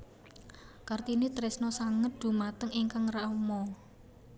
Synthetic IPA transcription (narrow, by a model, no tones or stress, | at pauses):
kart̪init̪ɾɛsnɔsaŋət̪̚d̪̥ṳmat̪əŋiŋkaŋraumɔ